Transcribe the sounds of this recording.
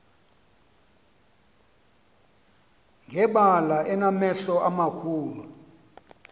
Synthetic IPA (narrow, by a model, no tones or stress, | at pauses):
ŋʱɛɓalaʔɛnamɛɬɔʔamakʰuːlu